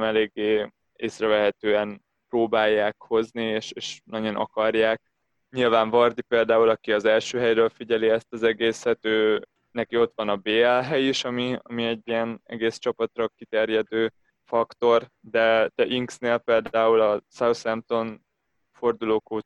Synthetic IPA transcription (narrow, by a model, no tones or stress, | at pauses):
mɛleːɡːeː | eːsrɛvɛɦɛt̪øːɛn | proːbaːjːaːkho̞znieːʃeːʃnɒɟonʔɒ̰kɒrjaːk̚ | ɲilvaːɱvɒrd̪ipeːld̪aːulɒkiɒzɛlʃøːɦɛjrøːlfiɟɛliɛst̪ɒzɛɡeːsɛt̪øː | nɛkio̞t̪ʋɒnɒbeːɛlɦɛjiʃɒmiɒ̰miɛɟːiɛnɛ̰ɡeːst͡ʃɒpɒt̪rɒkit̪ɛrjɛd̪øː | fɒkt̪o̞r | d̪ɛt̪ɛʔiŋksneːlpeːld̪aːulɒsɛwsɛmt̪o̞n | fo̞rd̪uloːkoːt̪